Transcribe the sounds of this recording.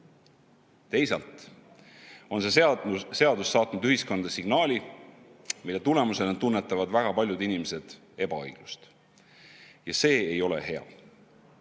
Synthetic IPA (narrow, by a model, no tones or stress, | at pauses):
t̪e̞jsɑlt̪ˑ | o̞nsese̞ɑd̪usːɑːt̪nud̪yhisko̞nd̪ɑsiɡ̥nɑːlʲi | milːe̞t̪ule̞muse̞let̪unːet̪ːˑɑvɑd̪væɡ̥ɑpɑlʲjud̪inimese̞d̪̥ | e̞b̥ɑɑ̰jɡ̥lust̪ | jɑse̞ːejo̞le̞̰ɦe̞ɑ̰